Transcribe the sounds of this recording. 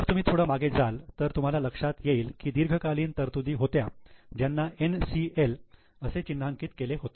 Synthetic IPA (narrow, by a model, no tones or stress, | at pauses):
əɾt̪um̤iːt̪ʰoɽəmaɡed͡zalt̪əɾt̪um̤alaləkʂat̪jeiːlkiːd̪iɾɡʱəkaliːnt̪əɾt̪ud̪iːɦot̪jad͡ʑjanːaensiel | əset͡ɕinːaŋkiːt̪keleɦot̪e